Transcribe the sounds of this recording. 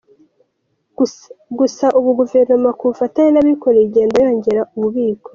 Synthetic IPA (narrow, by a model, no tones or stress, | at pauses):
ɡusaʔuβuɡuve̞ɾnomakufataɲenaβiko̞ɾeɟeːndajo̞ːɲɟe̞ɾaʔuβuβiːko